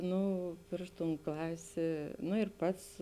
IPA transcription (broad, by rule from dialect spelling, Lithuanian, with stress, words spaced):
ˈnʊ ˈpʲrʲɪʃ ˌtuːn ˈklˠɑːsʲeː nʊ ɪr ˈpɐts